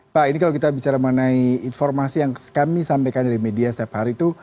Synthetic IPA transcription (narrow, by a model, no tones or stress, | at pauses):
painikalowkit̪abit͡ʃaɾaməŋənaiːnfɔrmasijaŋskamisampajkandaɾimediasət̪iaphaɾit̪u